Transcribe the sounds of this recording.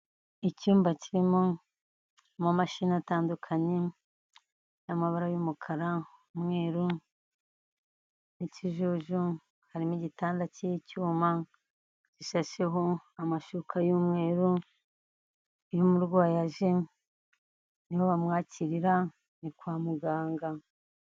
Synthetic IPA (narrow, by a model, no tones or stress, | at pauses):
icuːmbaciɾimo | mamaʃinataːndukʰaɲe̞ | jamaβaɾajumukʰaɾa | umŋe̞ːɾu | niciʒoʒu | haɾimiɟitaːndacejicuːma | ciʃaʃe̞ɦo̞amaʃukajuːmŋe̞ːɾu | jumuɾɡwaːjaʒe̞ | niho̞βamŋaːcʰiɾiɾa | nikwaːmuɡaːŋɡa